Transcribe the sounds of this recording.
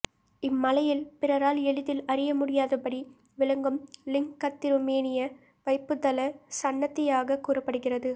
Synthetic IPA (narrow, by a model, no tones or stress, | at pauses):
ɪmːɐlɐjɪlpɪrɐɾaːlɛɭɪðɪlɐɾɪjɐmʊɽɪjaːðɐpɐɽi | ʋɪlɐŋɡɯmlɪŋkːɐt̪ːɪɾʊmeːnɪjɐ | ʋɐɪpːɯt̪ːɐlɐsɐɳːɐt̪ːɪjaːɣɐkuːrɐpːɐɽɯɣɪrɐðɯ